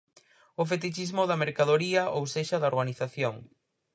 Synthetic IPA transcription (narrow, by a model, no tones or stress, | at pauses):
ʊf̬et̪it͡ʃizmʊðɐmeɾkaðoɾiɐʔowseʃɐðɐoɾɣaniθaθjoŋ